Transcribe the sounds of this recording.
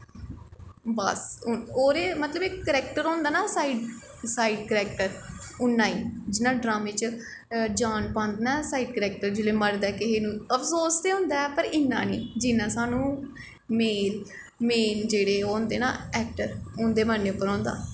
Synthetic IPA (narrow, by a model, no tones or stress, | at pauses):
bəsʊoːɾeːmət̪ləbɪkkəɾɛːk̚ʈəɾõːnd̪aːnaːsaːiːɖ | saːiːɖkəɾɛːk̚ʈəɾʊnːãːiːd͡ʒɪnãːɖɾaːmeːt͡ʃ | d͡ʒaːnpãːnd̪eːnaːsaːiːɖkəɾɛːk̚ʈəɾd͡ʒɪːleːməɽd̪aːkɪɦeːnũːəpʰsoːst̪eːʊ̃ːnd̪aːɛpəɾɪnːãːniːd͡ʒɪnːãːsaːnũː | meːl | meːnd͡ʒeːɽeːoːnd̪eːna̰ːɛːk̚ʈəɾõnd̪eːmənːeːʊpːəɾɔ̃ːnd̪a̰ː